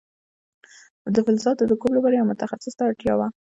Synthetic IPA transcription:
d̪əfʊlsɑt̪od̪əkoblabaɾejamʊt̪axasɪsd̪aaʈjɑ̰wa

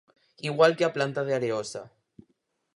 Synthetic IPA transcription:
iɣwalkeaplant̪að̞eaɾeosa̰

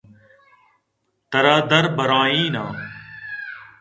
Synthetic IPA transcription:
t̪əɾaːd̪əɾbʱəɾaːĩːnaː

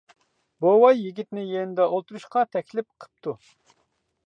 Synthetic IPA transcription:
bowɑjːiɡʲit̪nɪjenɪd̪ɛʔolˠt̪ʰuɾuʃqʰɑt̪ʰɛkʲlɪp̚qʰə̥p̚t̪ʰu

